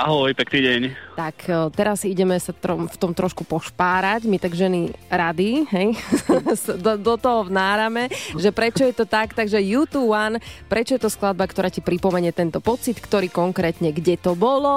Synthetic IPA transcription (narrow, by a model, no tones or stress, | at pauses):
aɦɔjpɛkniːɟɛɲt̪akʰːt̪ɛɾaziɟɛmɛsat̪ɾɔmft̪ɔmt̪ɾɔʃkupɔʃpaːɾacmit̪aɡʒɛniɾad̪iɦɛjsd̪ɔd̪ɔt̪ɔɦɔvnaːɾamɛʒɛpɾɛt͡ʃɔjɛt̪ɔt̪akt̪aɡʒɛjut̪uwanpɾʔɛt͡ʃɔjɛt̪ɔsklad̪̚bakt̪ɔɾaːcipɾipɔmɛɲɛt̪ɛnt̪ɔpɔt͡sit̪kt̪ɔɾiːkɔŋkɾɛːt̪ɲɛɡɟɛt̪ɔbɔlɔ